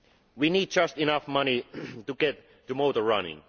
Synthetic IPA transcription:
winiːd̚d͡ʒʌstɪnʌfmʌnituɡɛt̪ː | ɨmoʊtə˞ɹʌnɪ̰̃ŋ

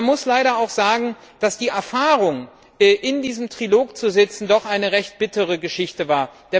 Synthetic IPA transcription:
nmʊslaɪɾɐaʊxz̥aːɡŋ̩ | d̥asd̥iːʔɛɐfaːʁʊŋ | ʔɛːʔɪndiːzəmtʁ̥iloːkt͡suzɪt͡sn̩dɔχʔaɪnəʁɛçt̚b̥ɪtəʁəɡəʃɪçtəvaːɐd̥ɛ

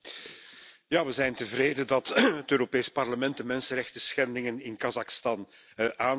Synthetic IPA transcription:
jaːʋəzɛjntəvɾeːdədɑtətøːɾopeːspɑrləmɛnt̚dəmɛnsənɾɛxtəsxɛndɪŋənɪnkɑzɑxstɑn | ʔaːn

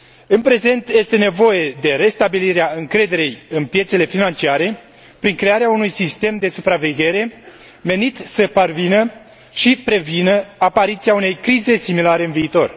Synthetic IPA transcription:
ɨnpɾe̞ze̞nt̪je̞st̪e̞ne̞vo̞je̞d̪e̞ɾe̞st̪abiliɾeaɨŋkɾe̞d̪e̞ɾejɨnpje̞t̪se̞le̞finant͡ʃiaɾe̞ | pɾiŋkɾe̞aɾeaunujsist̪e̞md̪e̞supɾave̞ɡʲe̞ɾe̞ | me̞nit̪səparvinə | ʃipɾe̞vinəapaɾit̪siaune̞jkɾize̞similaɾe̞ɨnviːt̪o̞̰r

